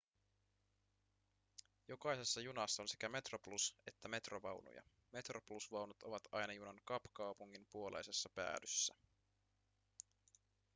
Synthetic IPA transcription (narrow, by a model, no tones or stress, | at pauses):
jo̞kɑjse̞sːɑjunɑsːɑonsekæme̞t̪ropluse̞t̪ːæme̞t̪roʋɑwnṵjɑ̰ | me̞t̪roplusʋɑwnɑt̪o̞ʋɑt̪ɑjnɑjunɑnkɑpkɑwpuŋːimpuo̞lʔḛjse̞sːɑpæ̰ːdysːæ